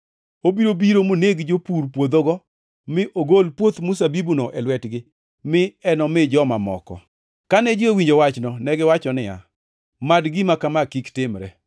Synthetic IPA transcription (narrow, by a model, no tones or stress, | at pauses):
obiɾobiɾomoneɡd͡ʒopuɾpwod̪oɡɔ | mɪʔoɡolpwot̪mus̬abibunɔʔɛlwɛtɡɪ | mɪɛnɔmɪd͡ʒɔmamɔ̰kɔ̰ | kanɛd͡ʒɪowiɲd͡ʒowat͡ʃnɔnɛɡɪwat͡ʃɔnɪja̰ | madɡɪmakamakiktɪmɾɛ